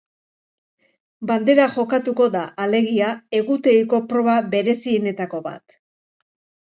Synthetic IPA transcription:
band̪e̞ɾaʝo̞kat̪uko̞ðaʔale̞ɣiae̞ɣut̪e̞iko̞pɾo̞βabe̞ɾe̞siene̞t̪ako̞βa̰t̪

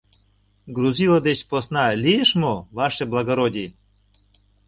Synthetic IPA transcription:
ɡruzʲilˠod̪et͡ɕposnɑlʲijeʃmovɑʃeblˠɑɡoɾodʲi

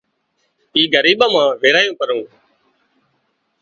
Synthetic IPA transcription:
iːɡəɾiːɓaːmãːʋeːɾaːjõːkəɾũː

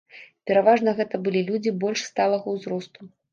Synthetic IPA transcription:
pʲɛɾavaʐn̪ɐɣɛt̪ɐbɨlʲilʲud͡zʲibɔlʲʂst̪alˠɐɣɐwzɾɔst̪u

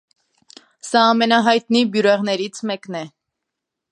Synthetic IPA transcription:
sɑːmɛnɑɦɑjt̪nibjuɾɛʁnɛɾit͡sʰmɛknɛ

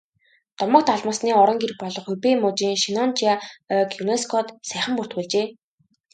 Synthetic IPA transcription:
t̪ɔmɞ̆k̚t̪ʰaɮmɔ̆ːsniːɔɾɞ̆ŋɡerk̚pɔɮɞ̆χɵpeːmʊt͡ɕiːŋʃinɔnt͡ɕiaœkjuneskʰɔt̪sæːχə̆mpur̥t̪̚xuːɮt͡ɕeː

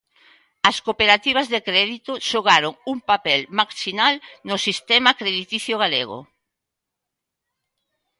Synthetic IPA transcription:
ɐskopeɾat̪iβ̞azðekɾɛðit̪oʃoɣaɾoŋuŋpapɛlmaksinalnʊsist̪ɛmakɾeðit̪iθjoɣaleɣ̞o̰

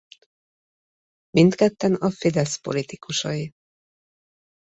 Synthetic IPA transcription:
mint̪kɛt̪ːɛnɒfid̪ɛspo̞̰lit̪ikuʃɒi

